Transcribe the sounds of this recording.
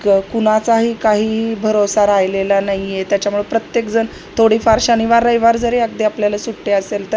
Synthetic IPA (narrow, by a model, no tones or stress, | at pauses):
kuɽ̃at͡saɦiːkaɦiːbʱəɾosaɾajlelanajjet̪jat͡ɕjamuɭepɾət̪jekd͡zən | t̪ʰoɽiːfaɾɕañiʋaɾəjʋaɾd͡zəɾeaɡ̚d̪iapljalasuʈːeəselt̪ə